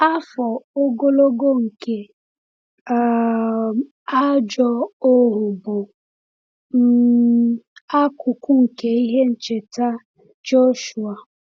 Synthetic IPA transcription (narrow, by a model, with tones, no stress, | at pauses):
a˦fɔ˨o˦ɡo˦lo˦ɡo˦ŋ̩˨ke˨˦˨ | a˦d͡ʒɔ˦o˦ɦʊ˨bʊ˨ | m̩˦ | a˦kʊ˨kʷʊ˦ŋ̩˨ke˨i˦ɦe˦n̩˨t͡ʃe˨ta˦ | t͡ʃo˦ʃu˨a˨